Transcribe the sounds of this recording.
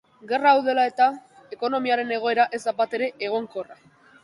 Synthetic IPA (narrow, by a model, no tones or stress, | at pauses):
ɡe̞raːwðe̞lae̞t̪ae̞ko̞no̞miaɾe̞ne̞ɣ̞o̞e̞ɾaʔe̞zd̪abat̪e̞ɾe̞ʔeɣ̞o̞ŋko̞ra